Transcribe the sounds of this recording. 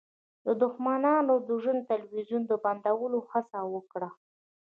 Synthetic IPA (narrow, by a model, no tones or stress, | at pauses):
d̪əd̪ʊxmanɑnod̪əʒənt̪alwizund̪əband̪awəloxasawəkɽa